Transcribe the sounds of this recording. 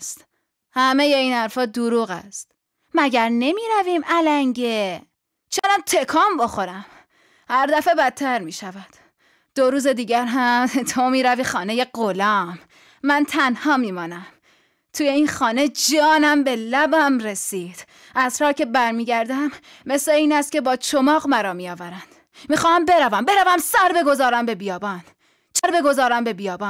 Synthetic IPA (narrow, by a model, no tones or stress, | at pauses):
st̪ | hæme̞jeiːnhæɾfɒːd̪uɾuːɣæ̰st̪ | mæɟæɾne̞miːɾæviːmælæŋɟe | t͡ʃʰenæmt̪ʰe̞kʰɒːmboxo̞ɾæm | hæɾd̪æfebæt̪ʰːæɾmiːʃævæd̪̥ | d̪̥oɾuːze̞d̪iːɟæɾɦæmt̪ʰomiːɾæviːxɒːne̞je̞ɡolɒːmː | ænt̪ʰænhɒːmiːmɒːnæm | t̪ʰuːje̞iːnxɒːne̞d͡ʒɒːnæmbelæbæmɾesiːd̪̥ | ʔæzhɒːcʰe̞bæɾmiːɟæɾd̪æmː | esle̞iːnæst̪̚cʰe̞bɒːt͡ʃʰomɒːɣmæɾɒːmijɒːvæɾænd̪̥ | miːxɒːæmbe̞ɾævæmbe̞ɾævæmsæɾbe̞ɡo̞zɒːɾæmbe̞bijɒːbɒːn | t͡ʃʰæɾbe̞ɡo̞zɒːɾæmbe̞bijɒːbɑːn